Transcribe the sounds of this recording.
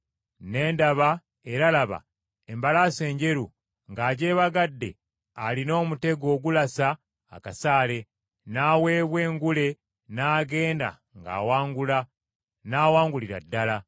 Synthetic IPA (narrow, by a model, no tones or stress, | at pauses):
ne̞ːndaβa | e̞ɾalaβa̰ | embalaːse̞ːɲɟe̞ɾu | ŋɡaːɟe̞ːβaɡadːe̞̰ | alino̞ːmute̞ɡo̞ːɡulasa̰ː | kasaːle̞ | naːwe̞ːβwe̞ːŋɡule̞ | naːɡe̞ːnda̰ | ŋɡa̰ːwaːŋɡula | naːwaːŋɡuliɾa̰dːala